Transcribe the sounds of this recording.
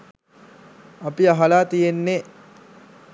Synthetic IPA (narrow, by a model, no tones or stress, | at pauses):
apiaɦalaːt̪ijenːe